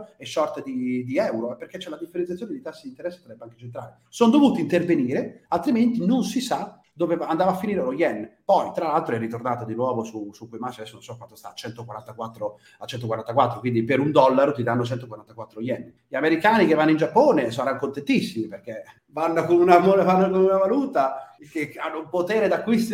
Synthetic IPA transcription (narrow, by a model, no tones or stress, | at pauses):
ɛʃːɔrt̪ed̪id̪iɛwɾoɛpːerket͡ʃːɛlad̪ifːeɾẽnt̪sjat̪joned̪it̪asːed̪int̪eɾɛsːe̥saɾɛbeaŋket͡ʃent̪ɾa̰ːle | sond̪ovuːt̪int̪erveniːɾealt̪ɾiment̪inonsisa | d̪oːvevand̪avafːiniːɾelojɛnːpɔjt̪ɾalːalt̪ɾoɛrːit̪ornaːt̪od̪inwɔːvosusukːujmasadɛsːononsɔkːwant̪ost̪a̰ːt͡ʃɛnt̪okwaɾant̪akwat̪ːɾo | at͡ʃːɛnt̪okwaɾant̪akwat̪ːɾokwind̪ipeɾund̪ɔlːaɾot̪id̪anːot͡ʃɛnt̪okwaɾant̪akwat̪ːɾoojɛnː | ʎameɾikaːnikevːanːoind͡ʒapːoːnesaɾanokont̪ent̪isːimiperke | vanːokonunamolvanːokonunavaluːt̪akeanːoumpot̪eːɾed̪akːwist̪